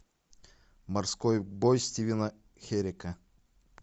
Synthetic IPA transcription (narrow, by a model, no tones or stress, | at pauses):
mɐrskojbojsʲtʲivʲinɐ | xʲeɾʲekɐ